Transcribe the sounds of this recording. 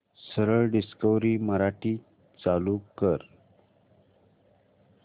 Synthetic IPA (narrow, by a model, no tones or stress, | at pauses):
səɾəɭɖiskəʋɾiːməɾaʈiː | t͡salukəɾ